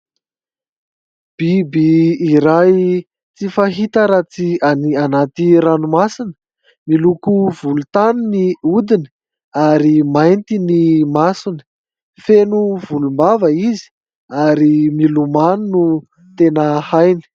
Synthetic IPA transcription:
b̥ibiːɾaj | t͡sifaɦit̪əɾat͡sianianat̪iɾanumasinə̥ | milukuvulut̪anuniud̪ini | aɾimajnt̪inimasunə̥ | fenuvulumbavəizi̥ | aɾimilumanunu | t̪enəhajni̥

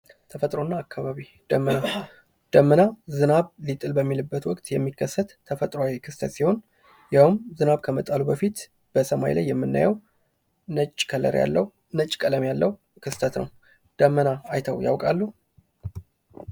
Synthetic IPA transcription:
t̪ʰəfət̪ʼɾo̞nːaːkʰːaβaβi | d̪̥əmːəna | d̪̥əmːənazɨnaβlit̪ʼɨlbəmːilɨbːət̪wɔkʼt̪ʼjɛmːikʰːəsːət̪ʰːəfət̪ʼɾoawikʰɨst̪ʰət̪siho̞n | jawɨmzɨnaβkʰəmət̪ʼalubəfit̪ | b̥əsəma̰jla̰jːɛmːɨnːa̰jɛw | nət͡ʃʼːkʰələ̰ɾja̰lːəw | nət͡ʃʼkʼələmjalːəwu | kʰɨst̪ʰət̪nə̰w | d̪̥əmːənaajt̪ʰəwja̰wkʼalːu

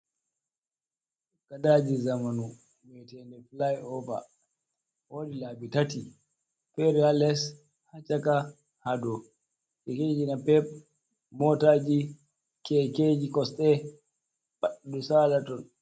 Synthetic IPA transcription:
kadad͡ʒizamanu | mɛtɛndɛflajɔva̰ | woːdilabitati | fɛɾialɛs | hat͡ʃaka | hadɔ | kɛked͡ʒinapɛp̚ | mɔtaːd͡ʒi | kɛked͡ʒikɔsɗɛ | ɓaɗdusaːlatɔn

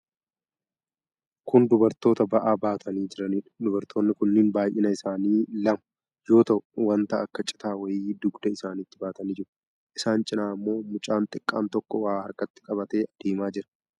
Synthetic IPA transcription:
kʊnd̪ʊbɐɾt̪o̞ːt̪ɐbɐʔaːbaːt̪ʰɐniːd͡ʒɪɾɐniːᶑd̪ʊbɐɾt̪ʰo̞ːnːɪkʊnːɪnbaːjʔɪnɐɪsaːniːlɐmɐ | jo̞ːt̪ɐʔwɐnt̪ɐɐkːɐt͡ʃʼɪ̥t̪aːwɐjiːd̪ʊɡd̪ɐɪsaːnɪt̪ːɪbaːt̪ɐniːd͡ʒɪɾɐ̥ | ʔɪsaːnt͡ʃʼɪnaːɐmːo̞ːmʊt͡ʃʼaːnt̪ʼɪkʼːa̰ːnt̪ɔkːɔwaːɐ̰ɾkɐt̪ːɪ̥kʼɐbɐt̪e̞ːd̪̥eːmaːd͡ʒɪɾɐ̥

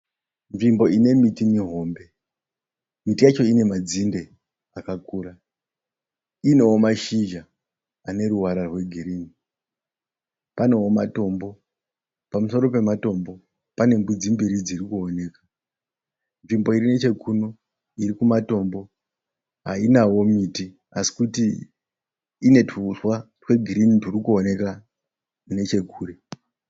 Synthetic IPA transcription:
ɱvimbo̞ine̞mitiniɦo̞mbe̞ | mitijat͡ʃo̞ine̞mad͡zinde̞ | akakuːɾa | ine̞wo̞maʃiʒaː | ne̞ɾuwaɾarwe̞ɡʱiɾiːni | pane̞womato̞mbo̞ | pamuso̞ɾo̞pe̞mato̞mbo̞ | pane̞mbud͡zimbiɾid͡zirikuone̞ːka | ɱvimbo̞iɾine̞t͡ʃe̞kʰuno̞ | iɾikumato̞mbo̞ | ɦa̰inawo̞miti | asi̥kuti | ne̞tʰuswa | rwe̞ɡʱiɾiniturikuone̞ka | ne̞t͡ʃe̞kʰuːɾe̞

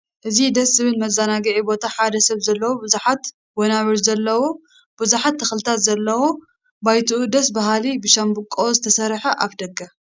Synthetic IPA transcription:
ʔɨzid̪ɐszɨβɨnmɐzanaɡɐʕibo̞t̪ʰaħad̪ɐsɐβzɐlːɐwobɨzuħat̪ | wɔnaβɨɾzɐlːɐwo | bɨzuħat̪ʰːɐxlɨt̪ʰat̪zɐlːɐwo | bajt̪ʰuʔud̪ɐs̬baɦalibɨʃɐmbɨkʼːozɨt̪ʰɐsɐɾħɐʔaβd̪ɐɡɐ

